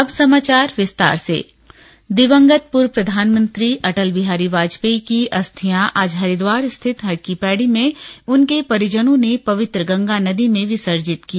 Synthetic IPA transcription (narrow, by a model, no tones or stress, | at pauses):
ɐbsɐmaːt͡ʃaːɾʋɪst̪a̰ːɾsḛː | d̪ɪʋə̃ŋɡət̪̚pʊɾpɾɐd̪ʱaːnmə̃nt̪ɾiʔɐʈəlbɪɦaːɾiʋaːd͡ʒpeikiʔɐst̪ʰijãʔaːd͡ʒɦɐɾid̪ʋaːɾst̪ʰɪt̪ɦɐɽkipɛːɽimẽʊnkepɐɾɪd͡ʒənõnepɐʋɪt̪ɾəɡɐ̃ŋɡanɐd̪imẽʋɪsəɾd͡ʒɪt̪ki